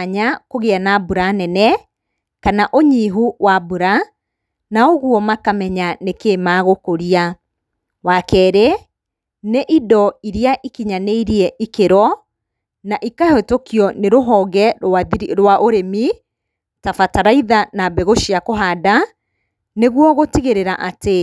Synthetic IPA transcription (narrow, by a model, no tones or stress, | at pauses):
ɲakoɣeanabuɾanɛnɛ | kanaʔoɲiɦuwabuɾa | naoɣuɔmakamɛɲanekeːmaːɣokoɾia | wakɛːɾe | neʔidɔiɾiaʔikiɲaneiɾiɛʔikeɾɔ | naʔikahetokiɔneɾoɦɔːɣɛaɾwaʔoɾemi | tafataɾaiðanabɛɣoʃiakoɦada | neɣwɔɣotiɣeɾeɾaʔate